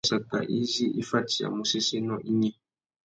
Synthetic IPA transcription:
sa˨ta̰˨ʔi˦zi˦ʔi˦fa˦ti˨a̰˨mu˨si˦si˦nɔ˦˨ʔi˦ɲɛ˦˨

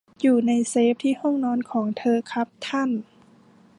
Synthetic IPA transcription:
juː˨˩na˧˥jseː˧˦p̚t̪ʰiː˧˥˩hɔ˥˨ŋnɔː˧˥nkʰɔː˩˦ŋt̪ʰɤː˧kʰa˦˥p̚t̪ʰa˧˥˨n

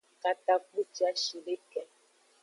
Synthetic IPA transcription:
ka˨t̪a˦klu˦t͡ʃi˦a˦ʃi˨ɖe˦kɛ˨

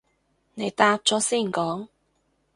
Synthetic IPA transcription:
ne˨˧jt̪aː˧p̚t͡sɔː˨˥siː˥˩nkɔː˨˥ŋ

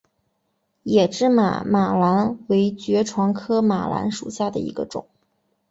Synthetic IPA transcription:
jɛ˨˩ʈ͡ʂɻ̩˥˩ma̰˨˩ma˨˩la˧˥nwe˧˥ɪt͡ɕɥɛ˧˥ʈ͡ʂʰwɑ˧˥ŋkʰɤ˥ma̰˨˩la̰˧˥nʂṵ˨˩ɕja˥˩d̪ə˩ḭ˧˥ɡə̰˧ʈ͡ʂʊ̰˨˩˦ŋ

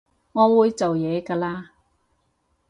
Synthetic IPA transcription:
ŋɔː˨˧wuː˨˧jt͡so˨wjɛː˨˧kaː˧laː˧

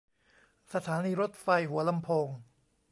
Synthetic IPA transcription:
sa˧t̪ʰaː˩˦niː˧ɾo˦˥t̪̚fa˧jɦu˩˦ɐla˧mpʰoː˧ŋ

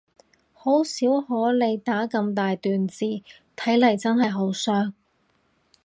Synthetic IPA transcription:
ho˨˥wsiː˨˥whɔː˨˥le˨˧jt̪aː˨˥kɐ˧mt̪aː˨jt̪yː˨nt͡siː˨ | t̪ʰɐ˨˥jlɐ˨˩jt͡sɐ˥nhɐ˨jɦo˨˥wsœː˥ŋ

